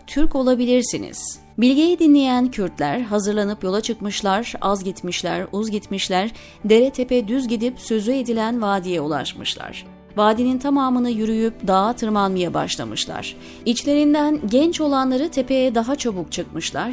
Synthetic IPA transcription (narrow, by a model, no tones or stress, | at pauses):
t̪ʰyɾco̞lˠabilʲiɾsinḭz̥ | bilʲɟejɛd̪inlʲejæncʰyɾt̪lʲæɾɦazɯɾlˠanɯpjo̞lˠat͡ʃʰɯkmɯʃlˠaɾazɟit̪miʃlʲæ̰ɾuzɟit̪miʃlʲæɾ | d̪e̞ɾɛt̪ʰe̞pɛd̪yzɟid̪ipsø̞zye̞d̪ilʲænvaːd̪ijɛulˠa̰ʃmɯ̰ʃlˠa̰ɾ̥ | vaːd̪inint̪ʰamaːmɯnɯjyɾyjypd̪aat̪ʰɯɾmanmɯjaba̰ʃlˠa̰mɯ̰ʃlˠa̰ɾ̥ | it͡ʃlʲe̞ɾind̪ænɟɛnt͡ʃo̞lˠanlˠaɾɯt̪ʰe̞pʰe̞jɛd̪aɦat͡ʃʰobuk̚t͡ʃʰɯk̚mɯʃlˠa̰ɾ̥